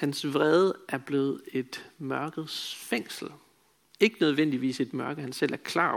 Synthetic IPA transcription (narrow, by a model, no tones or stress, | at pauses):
hænsʋʁɛð̞ˠʔæɐb̥le̝ːð̞̩ˠe̝d̥mɶɐɡ̥ð̩ˠsfeŋ̰sl̩ | e̝ɡ̥ənøð̞ˠʋen̰d̥iʋḭːse̝d̥mɶɐɡ̥əhænsel̰æɐkʰlɑ̰̈ː